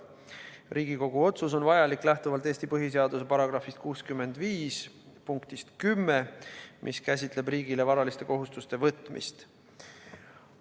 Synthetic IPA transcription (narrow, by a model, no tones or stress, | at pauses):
ɾʔiːɡiko̞ɡ̥uo̞t̪sus̬o̞nvɑjɑlikːˑlæht̪uvɑlt̪ˑeːsʲt̪ipɤɦis̬e̞ɑd̪use̞pɑɾɑɡ̥rɑfist̪̚kuːskymːe̞nd̪̥viːs | puŋkt̪ist̪kymːemʔḭskæsʲit̪ˑle̞briːɡile̞vɑɾɑlist̪e̞ko̞ɦust̪ust̪e̞vɤt̪mḭst̪